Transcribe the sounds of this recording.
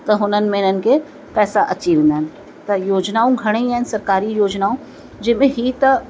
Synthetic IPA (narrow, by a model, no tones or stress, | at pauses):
t̪ɐɦʊnənɪ̆mẽɪn̤ənɪ̆kʰe | pɛːsaʔɐt͡ɕiʋẽːn̆d̪aɦɪnɪ̆ | t̪ɐjoːd͡ʑnaːũɡʱɐɽ̃eaːɦɪnɪsɐɾkaːɾijoːd͡ʑnaːũ | d͡ʑɐɦɪ̃mẽɦiːt̪ɐ